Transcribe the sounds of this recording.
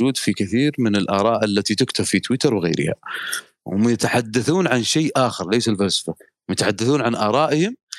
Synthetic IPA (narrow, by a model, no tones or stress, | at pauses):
uːd̪fikɪθiːɾmɪnɪlʔɑːɾˤɑːʔalːat̪it̪ɪkt̪affit̪wɪt̪ɑɾˤwɪɣḛːɾɪ̰ha̰ | wʊmjɪt̪aħad̪ːaθuːnʕanʃeːʔaːxɪɾˤleːsalfalsɪ̥fa | mjɪt̪aħad̪ːaθuːnʕanʔɑːɾˤɑːʔɪhɪm